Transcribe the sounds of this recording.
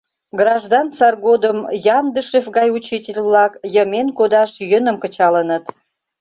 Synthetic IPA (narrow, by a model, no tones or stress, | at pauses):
ɡrɑʒd̪ɑnsɑrɡod̪əmjɑnd̪əʃefɡɑjut͡ɕitʲelʲβlɑkjəmenkod̪ɑʃjənə̆mkət͡ɕɑlənət̪